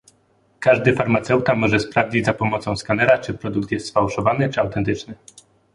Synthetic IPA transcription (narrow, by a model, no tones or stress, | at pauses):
kaʐd̪ɘfaɾmat̪sɛwt̪amɔʐɛspɾavd͡ʑid͡ʑʲzapɔmɔt̪sɔ̃w̃skanɛɾat͡ʂɘpɾɔd̪uk̚t̪jɛst̪sfawʂɔvanɘt͡ʂɘawt̪ɛnt̪ɘt͡ʂnɘ